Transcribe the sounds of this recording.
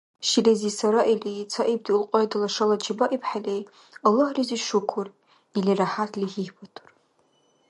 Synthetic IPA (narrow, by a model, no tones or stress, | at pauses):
ʃilezisaɾaʔilit͡sʰaʔib̚tʰʼilqʼojdalaʂalat͡ʃʰibaʔipʰħalej | alːahriziʂukʷʰʊr | iliraħatʰlihiħbatʰʼu̥r